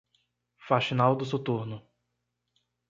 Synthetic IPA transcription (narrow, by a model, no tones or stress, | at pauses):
faʃinawd̪ʊsot̪uɾnʊ